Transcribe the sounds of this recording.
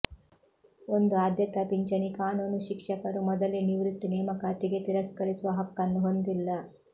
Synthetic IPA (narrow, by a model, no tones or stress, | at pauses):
o̞nd̪uaːd̪jɐt̪ɐpiɲt͡ʃɐnikaːnuːnuʃikʂɐkɐɾumɔd̪ɐleniʋɾut̪ːinɛːmɐkaːt̪iɡe̞t̪iɾɐskɐɾisuʋɐɦɐkːɐnːuɦo̞nd̪ilːɐ